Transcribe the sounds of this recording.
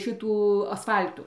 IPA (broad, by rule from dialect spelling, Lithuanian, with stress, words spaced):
ˈʃʲɪtuː ɐsˈfɐlʲtuː